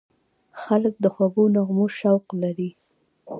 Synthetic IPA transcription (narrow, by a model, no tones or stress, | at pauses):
xalək̚d̪əxwabonaɣmoʃawqlaɾi